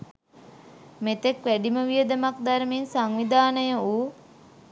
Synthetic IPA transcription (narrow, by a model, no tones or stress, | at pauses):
met̪ekʋæɖiməʋijəd̪əmakd̪aɾmensaŋʋid̪aːnəjəuː